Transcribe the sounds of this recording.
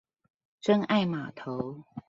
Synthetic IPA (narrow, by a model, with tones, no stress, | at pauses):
t͡sə˥ŋa˥˩ɪma˨˩t̪ʰo˨˦ʊ